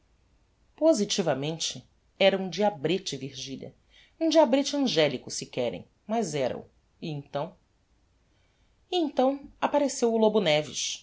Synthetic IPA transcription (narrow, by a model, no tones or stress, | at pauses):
pozit͡ʃivɐmẽnt͡ʃɪ | ɛɾɐũd͡ʒiabɾet͡ʃɪviɾʒiʎɐ̰ | ũd͡ʒiabɾet͡ʃɪɐ̃ʒɛlikʊsikɛɾḛ̃j̃ | mɐzɛɾɐ̰ṵ | iẽnt̪ɐ̃w̃ | iẽnt̪ɐ̃w̃apaɾesewʊlobunɛvḭʃ